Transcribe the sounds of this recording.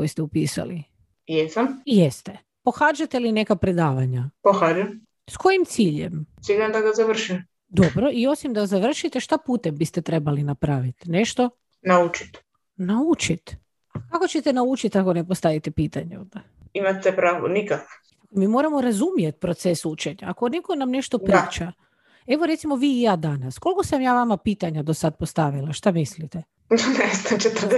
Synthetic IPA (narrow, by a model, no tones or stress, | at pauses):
kojist̪eupiːsa̰li | jesamjest̪e | po̞xaːd͡ʒat̪eline̞kapɾed̪aːʋaɲapoxaːd͡ʒem | sko̞jimt̪siːʎḛmt̪siʎad̪aɡazaʋr̩ʃim | d̪o̞bɾo̞ʔio̞simd̪azaʋr̩ʃit̪eʃt̪apuːt̪embist̪et̪ɾe̞balinapɾaʋit̪ne̞ʃt̪o̞ | naut͡ʃi̥t̪ | naut͡ʃit̪ | akako̞t͡ɕet̪enaut͡ʃit̪ako̞nepost̪aʋit̪epiːt̪aɲeod̪a | imatsepɾaːʋo̰nikako | akomiːmo̞ɾamoɾazumijet̪̚pɾot̪sesut͡ʃeɲaakonekonamne̞ʃt̪opɾiːt͡ʃa | e̞ʋoɾe̞t̪simo̞ʋiːjaːd̪anasko̞lkosamjaːʋamapiːt̪aɲad̪osad̪̚post̪aʋilˠaʃt̪amislit̪e | d̪anest̪at͡ʃet̪rd̪e